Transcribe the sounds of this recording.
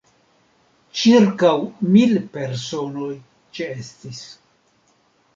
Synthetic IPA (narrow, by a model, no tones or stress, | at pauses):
t͡ʃiɾkawmilpe̞ɾso̞no̞j | t͡ʃeestis